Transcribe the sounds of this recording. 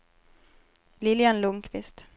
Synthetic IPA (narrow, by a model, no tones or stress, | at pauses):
lɪljanlʊŋkʰvɪst̪